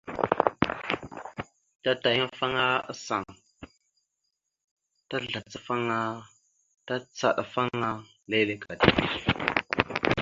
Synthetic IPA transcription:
ta˦ta˨ja˦fa˦ŋa˦a˦sa̰˨ŋ | ta˦ɮa˨t͡sa˦fa˦ŋa˦ | ta˦t͡sa̰˨ɗa˨fa˦ŋa˦ | le˦le˦ka˨di˨bi˦˨

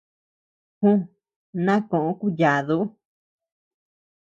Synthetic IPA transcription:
hũ˦ | nã˦kõ˨ʔõ˧˦ku˦ja˨ðu˧˦

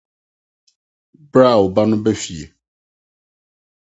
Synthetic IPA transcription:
bɾa˦˨wo˨ba˦nʊ̃˦bɛ˦fi˨ḛ˨

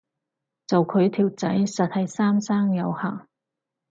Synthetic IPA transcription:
t͡sɐ˨wkʰɵ˨˧ɥt̪ʰiː˨˩wt͡sɐ˨˥jsɐ˨t̚hɐ˨jsaː˥msaː˥ŋjɐ˨˧whaː˨˩ŋ

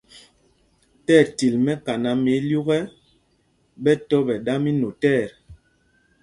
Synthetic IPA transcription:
tɛː˦˨ti˨lmɛ˦ka˨na˨me˨˦lju˦ɣɛ˦ | bɛ˦tɔ˦bɛ˨da˦mi˦no˨tɛː˦˨ɾ

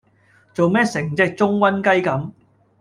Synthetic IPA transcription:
t͡so˨wmɛː˥sɪ˨˩ŋt͡sɪ˧˥k̚t͡sʊ˥ŋwɐ˥nkɐ˥jkɐ˨˥m

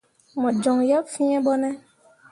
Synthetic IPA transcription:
mɔ̃˨d͡ʒɔ˨ŋja˦pfĩ˦ɛ̃˦ɓɔ˦nɛ̃˦

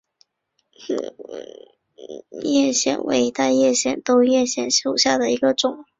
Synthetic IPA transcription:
jɛ˥˧ɕjɛ̰˥˩nwʔḛ˧˥ɪ˧˥t̪a˥˧ɪjɛ˥˩˧ɕjɛ˥˩nt̪o˥ʊjɛ˥˧ɕjɛ˥˩nɕjo˥˩ʊɕja˥˩d̪ə˩i˧˥ɡə˧ʈ͡ʂʊ˨˩˦ŋ

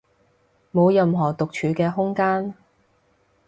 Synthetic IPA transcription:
mo˨˧wjɐ˨mɦɔː˨˩t̪ʊ˨k̚t͡ʃʰyː˨˧˥kɛː˧ɦʊ˥ŋkaː˥n

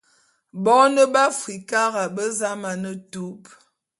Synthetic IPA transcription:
bɔ˨˦nə˦ba˦fwi˨ka˦ɣa˨bə˦za˦ma˨nə˦tu˦p

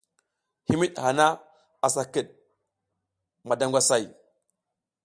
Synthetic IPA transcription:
hi˦mi˦ɗha˨na˦ | a˨sa˨kə˦˨ɗ̚ | ma˨da˨ŋɡʷa˨sa˦˨j

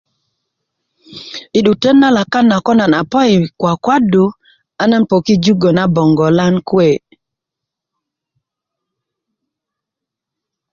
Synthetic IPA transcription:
ɪ˨ɗu˨te˦nːa˦la˨ka˦nːa˨kɔ˦na˨na˨pɔ˦ɪ˨kwa˨kwa˦du˨ | a˦na˦npɔ˨ki˦d͡ʒu˦ɡo˨na˦bɔ˨ŋɡɔ˨la˦nkwe˨

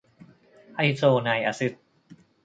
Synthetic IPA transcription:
ʔa˧jsoː˧na˧jʔa̰˧sɯ˧˥t̪̚

